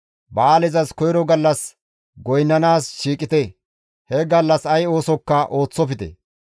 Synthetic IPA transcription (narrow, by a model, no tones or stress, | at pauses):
baːlɛzɐskɔjɾɔɡɐlːɐs | ɡɔjnːɐnaːsʃiːkʼɪt̪ɛ | hɛɡɐlːɐsɐjo̞ːsɔkːɐʔo̞ːt͡sːɔfɪt̪ɛ̰